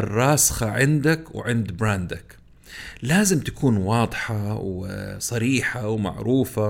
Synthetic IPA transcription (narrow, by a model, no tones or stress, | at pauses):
rˤːɑːsxɑʕɪnd̪akwʕɪnd̪bɾaːnd̪ak | laːzɪmt̪ḁkʰuːnwɑːd̪ˤħawsˤɑɾiːħawma̰ʕɾuːfa